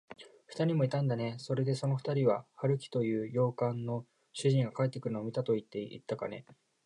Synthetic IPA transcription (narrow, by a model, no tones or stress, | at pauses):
ɸɯ̟̥t̪aɾʲimo̞it̪ãnd̪ane̞so̞ɾe̞d̪e̞so̞no̞ɸɯ̥t̪aɾʲiβahaɾɯ̟kʲi̥t̪o̞jɯ̟ːjo̞ːkãnːo̞ | ɕɨʑĩŋɡakae̞t̪ːe̞kɯɾɯ̟noːmʲit̪at̪o̞it̪ːe̞ḭt̪ːaka̰ne̞̰